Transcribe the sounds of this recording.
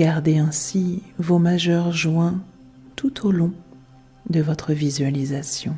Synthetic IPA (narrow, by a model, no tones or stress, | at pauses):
aʁd̪eɛ̃sivomaʒœʁʒwɛ̃ | t̪ut̪ʰolɔ̃ | d̪əvɔt̪χəvizɥalizasjɔ̃